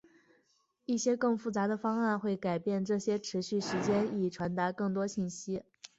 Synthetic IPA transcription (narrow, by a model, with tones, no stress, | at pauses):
i˥˩ɕjɛ˥kɤ˥˧ŋfu˥˩t͡sa˧˥d̪ə˧fɑ˥ŋa˥˧nxwe˥˩ɪka˨˩ɪpjɛ˥˧nʈ͡ʂɤ˥˩ɕjɛ˥ʈ͡ʂʰɻ̩˧˥ɕy˥˩ʂɻ̩˧˥t͡ɕjɛ˥ni˨˩ʈ͡ʂʰwa˧˥nt̪a˧˥kɤ˥˩ŋt̪wɔ˥ɕi˥˩nɕi˥